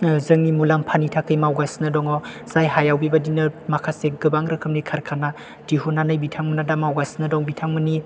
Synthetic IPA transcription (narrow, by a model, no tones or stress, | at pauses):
zɯŋnimulampʰanitʰakʰɯjmawɡasnɯdɔŋɔ | zajɦajawbibadinɯmakʰaseɡɯbaŋɾɯkʰɯmnikʰaɾkʰana | d̥iɦunanɯjbitʰaŋmɯnadamawɡasnɯdɔŋbitʰaŋmɯni